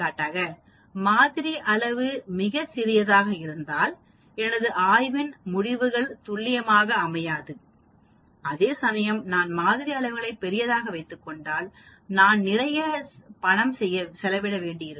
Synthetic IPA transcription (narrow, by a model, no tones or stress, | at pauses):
kaːʈːaːɣɐ | maːðɪɾiʔɐɭɐʋɯmɪɣɐsɪɾɪjɐðaːɣɐɪɾɯnd̪aːl | ɛnɐðɯʔaːjʋɪnmʊɽɪʋɯɣɐɭt̪ʊɭːɪjɐmaːɣɐːmɐjaːðɯ | ɐðeːsɐmɐjɐmnaːnmaːðɪɾiɐɭɐʋɯɣɐɭɐɪpːɛɾɪjɐðaːɣɐʋɐɪt̪ːɯkːɔɳɖaːl | naːnnɪɾɐjɐpɐɳɐmsɛjːɐsɛlɐʋɪɽɐʋeːɳɖɪjɪɾɯ